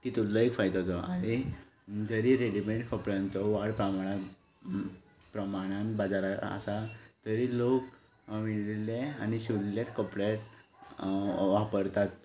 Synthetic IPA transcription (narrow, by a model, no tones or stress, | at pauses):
t̪it̪ulːɔekfajt̪ɔt̪ɔa̰ɾi | d͡zəɾiɾeɽimẽɳʈkɔpɽjãnt͡sɔʋaɽpɾamaɽ̃ã | pɾəmaɽ̃ãnbad͡zaɾaə̰sat̪əɾilok | miɭlileaniɕullet̪kəpɽet̪ | ʋapəɾt̪at̪